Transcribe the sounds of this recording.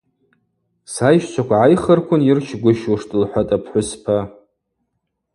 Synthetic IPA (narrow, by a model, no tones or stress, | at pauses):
sajʃt͡ʃʷʰakʷʰaʕajχərkʷʰʊnjɪrʃʰɡʷʊʃwʂtʼɨlħʷatʼapʰħʷʊspʰa